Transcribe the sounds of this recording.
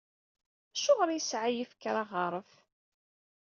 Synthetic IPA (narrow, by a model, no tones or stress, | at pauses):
æʃoʁɾjəsʕajifəkːɾˤaʁəɾˤəf